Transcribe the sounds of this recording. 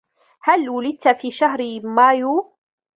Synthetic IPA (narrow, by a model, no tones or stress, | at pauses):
halwʊlɪd̪̚t̪fiːʃaɦɾmaːjuː